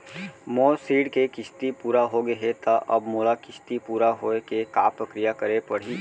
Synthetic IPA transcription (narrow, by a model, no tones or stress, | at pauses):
moːsiːɽkekɪst̪ipuːɾaɦoɡɐɦet̪aʔɐbmoːlakɪʃt̪ipuːɾaɦoːekeka̰ːpɾəkɾijakɐɾepɐɽ̤i